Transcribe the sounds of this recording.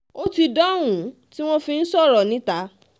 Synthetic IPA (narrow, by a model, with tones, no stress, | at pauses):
o˦ti˧dɔ˦˨wũ˨˦ | ti˦w̃ɔ̃˦fi˧n̩˦sɔ˦˨ɾɔ˨nĩ˨˦ta˨˦